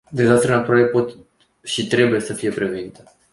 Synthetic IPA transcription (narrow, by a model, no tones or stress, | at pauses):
d̪e̞zast̪ɾenat̪uɾaɾepo̞t̪ | ʃit̪ɾe̞buje̞səfije̞pɾe̞venit̪e